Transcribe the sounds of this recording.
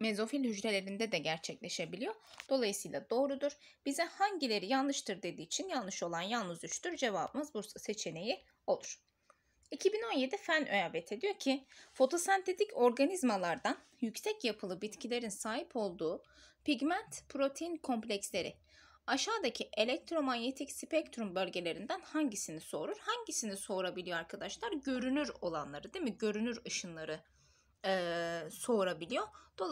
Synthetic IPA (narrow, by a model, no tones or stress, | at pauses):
me̞zo̞filʲhyd͡ʒɾe̞lʲe̞ɾind̪ɛd̪ɛɟæɾt͡ʃʰɛclʲe̞ʃe̞bilʲijo̞d̪̥o̞lˠajɯsɯjlˠad̪o̞ːɾud̪uɾ̥b̥izɛhaɲɟilʲe̞ɾijallɯʃt̪ʰɯɾd̪e̞d̪iːt͡ʃʰinjalˠnˠɯʃo̞lˠanjalˠnɯzyt͡ʃt̪yɾd͡ʒe̞vabɯmɯzbuɾsɯse̞t͡ʃʰe̞ne̞ji | o̞lˠuɾ̥ | icʰibino̞nje̞d̪ifænøjavet̪ʰe̞d̪ijo̞ɾcʰifo̞t̪ʰo̞sant̪ʰe̞t̪ʰicʰo̞ɾɡanizmalˠaɾd̪an | jycsɛcjapʰɯlˠɯbit̪cʰilʲe̞ɾinsaːɦipʰo̞lˠd̪uː | piɟmænt̪pʰɾo̞t̪ʰejinkʰo̞mpʲlʲɛcslʲe̞ɾɪ̰aʃaːd̪acʰiʔe̞lʲɛc̚t̪ʰɾo̞maɲjet̪ʰicspɛct̪ɾumbø̞lʲɟe̞lʲe̞ɾind̪ænhaɲɟisiniso̞ɾuɾ̥haɲɟisiniso̞ɾabilʲijoaɾkʰad̪aʃlˠaɾɟø̞ɾynyɾo̞lˠanlˠaɾɯd̪imiɟø̞ɾynyɾɯʃɯnlˠaɾɯː | so̞ɾabilʲijo̞d̪̥o